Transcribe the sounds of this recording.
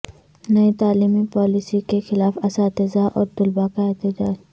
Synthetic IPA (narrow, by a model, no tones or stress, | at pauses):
nɐit̪aːliːmipɔːlisikexɪlaːfɐsaːt̪ɪzaʔɔːɾt̪ʊlbakaɛt̪ɪd͡ʒaːd͡ʒ